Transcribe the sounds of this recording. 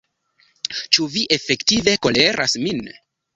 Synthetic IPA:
t͡ʃuviʔe̞fe̞ktive̞ko̞le̞ɾʔa̰smin

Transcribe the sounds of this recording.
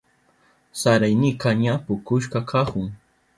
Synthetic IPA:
saɾajnɪkaɲapʊkʊʃ̬kakʰaχʊŋ

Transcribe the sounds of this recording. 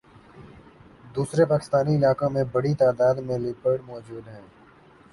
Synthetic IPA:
d̪uːsɾepaːkɪ̥st̪aːniɪlaːkõmẽbɐɽit̪aːd̪aːd̪mẽlɪpəɖmɔːd͡ʒuːd̪ɦɛ̃ː

